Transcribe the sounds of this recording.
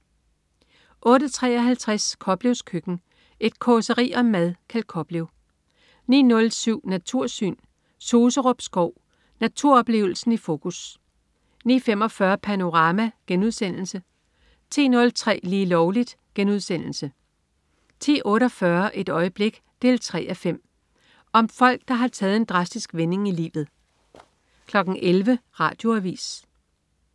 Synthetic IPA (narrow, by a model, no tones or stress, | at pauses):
ʔɔ̽ːɾət͡sʰʁɛ̰ːɒ̽ɦælt͡sʰʁaskʰɒ̽b̥le̝ʊskʰøɡ̥n̩ | ʔe̝d̥̚kʰɒsəʁḭːɒ̽mːæðˠkʰæld̥̚kʰɒ̽b̥le̝ʊ | nḭːnɔ̽lsyʊ̰næt͡sʰuɐ̰sy̰ːn | so̝ːsəʁɔb̥sɡ̥ɒʊ̰ | næt͡sʰuɐ̰ɒ̽b̥le̝̰ːʊl̩sn̩ifo̝ːkʰus | nḭːfem̰ɒ̽fɶːɐpʰæno̝ʁɑ̈mæɡ̥enuð̞̰ˠsen̰l̩sə | t͡sʰḭːnɔ̽lt͡sʰʁɛ̰ːliːlɒʊlid̥ɡ̥enuð̞̰ˠsen̰l̩sə | t͡sʰḭːʔɔ̽ːɾɒ̽fɶɐʔe̝d̥ɒ̽ɪəb̥le̝ɡ̥ | d̥e̝lt͡sʰʁɛ̰ːʔæfem̰ | ʔɒ̽mfɒ̽l̰ɡ̥̚d̥ɑ̈ɦɑ̈t͡sʰɛːð̞̩ˠe̝nd̥ʁɑ̈sd̥isɡ̥ʋene̝ŋilḭːʋð̞̩ˠ | kʰlɒ̽ɡ̥n̩ʔelʋəʁɑ̈ːd̥jo̝æʋḭːs